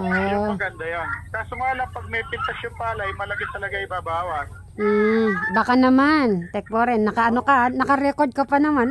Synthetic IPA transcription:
ʔomɐɡɐnd̪ajonk̪aːsʊmaːlɐŋpɐɡ̚mɛpɪnt̪ɐʃonpalɐjmɐlɐɡɪt̪ɐlɐɡaɪbaːbaːwɐt̪ | m̩ːbakanɐmant̪ɛk̚poɾɛnːɐkɐʔɐnokanɐkɐɾɛkoɾd̪̚kɐpɐnɐman

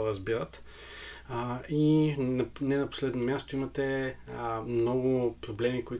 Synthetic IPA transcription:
ɾəzbiɾət̪ | inɐnɛnɐpo̥slɛd̪nomʲjast̪oimɐt̪ɛ | mnɔɡʊpɾoblɛmikoi

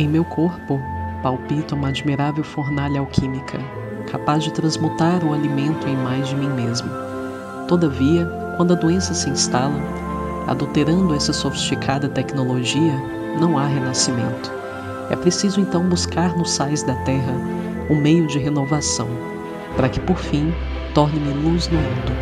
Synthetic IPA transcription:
ẽj̃mewkʰoɾpʊpawpit̪ɐũmɐad͡ʒmiɾavewfoɾnaʎɐawkʰĩmikʰɐ | kʰapazd͡ʒɪt̪ɾɐ̃zmut̪aɾʊalimẽnt̪ʊẽj̃majzd͡ʒɪmĩmezmʊ | t̪od̪ɐviɐ | kwɐ̃nd̪ʊɐd̪uẽsɐsɪĩst̪alɐ | a̰d̪uwt̪eɾɐ̃nd̪ʊɛsɐsofi̥st͡ʃikʰad̪ɐt̪ɛknoloʒiɐ | nɐ̃w̃aɦenasimḛ̃nt̪ʊ̥ | ɛ̰pɾesizʊẽnt̪ɐ̃w̃buskaɾnʊsajzd̪ɐt̪ɛɦɐ | ʊmejʊd͡ʒɪɦenovasɐ̰̃w̃ | paɾɐkɪpoɾfĩ | t̪ɔɾnɪmɪluzd̪ʊmũd̪ʊ

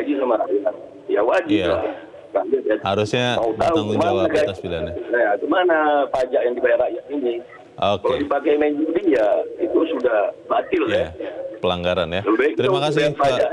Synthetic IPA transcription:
ad͡ʒisamaɾajat̪̚ | jawad͡ʒɪjla̰ | rabɪtjat̪haɾʊsɲamaut̪aaŋmaaakat̪sbilanajaɡəmanapad͡ʒaʔjaŋdibajarajat̪ini | okaldipakajmaiɲd͡ʒudijait̪usudahbat̪ɪlapəlaŋɡaɾanjaləbaik̚t̪əɾiumakasɪpad͡ʒaʔ

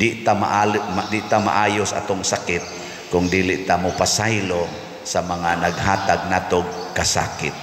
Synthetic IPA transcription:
d̪ɪʔt̪ama̰ʔald̪ɪʔt̪ama̰ʔaːjʊsaʔa̰t̪ʊŋsakɪt̪̚ | kʊŋd̪iːlɪʔt̪amʊpasajlo | samaŋanaɡhaːt̪aɡ̚naːt̪oɡ̚kasa̰ːkɪt̪̚

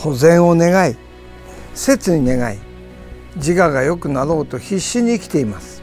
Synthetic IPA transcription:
ho̞zẽ̞ɰ̃o̞ne̞ɡai | se̞t͡sɨɲ̟ine̞ɡa̰ḭ | d͡ʑiɡaɡajo̞kɯ̟naɾo̞ːt̪o̞çiɕːiɲ̟iːkʲi̥t̪e̞imasɨ̥

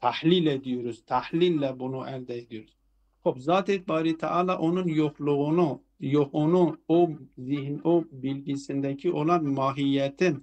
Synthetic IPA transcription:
t̪ʰæhliled̪ijuɾuz̥t̪ʰæhlilːæbunuʔæɾd̪æed̪ijoɾuz̥ | χobzɑːt̪ʰet̪̚ʰbɑːɾit̪ʰa̰ʕɑːlˠɑʔonunjoχlˠuʁunu | joχonuozihnobilɟisind̪æcʰiʔolˠɑnmɑːɦijːæt̪ʰin

